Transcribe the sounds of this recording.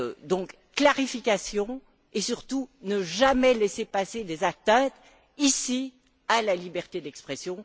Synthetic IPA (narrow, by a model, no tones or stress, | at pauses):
d̪ɔ̃ːk | kːlaʁifikasjɔ̃ | esyʁt̪unəʒamɛlɛsepased̪ezat̪ɛ̃ːt̪ | isi | alalibɛʁt̪ed̪ɛkspχɛsjɔ̃